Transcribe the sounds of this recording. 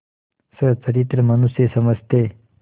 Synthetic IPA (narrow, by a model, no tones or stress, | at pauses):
sət͡səɾit̪ɾəmənusjesəməd͡zʱt̪e